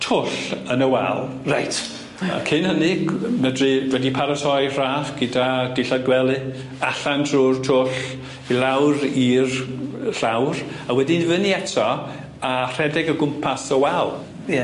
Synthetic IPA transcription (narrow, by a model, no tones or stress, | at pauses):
tʰʊɬənəwɛ̰lˠ | rajt | kʰɪnhənɨɡmɛdrɨvwɛdipʰaɾatʰɔjr̥aːχɡ̥ədad̥ɪɬad̚ɡwɛlˠɨ | aɬandʰrurtʰʊɬ | ilawɾirɬawrawɛdɪnvɨniɛtʰɔ | ar̥ɛdɪɡəɡʊmpʰasəwɛlˠ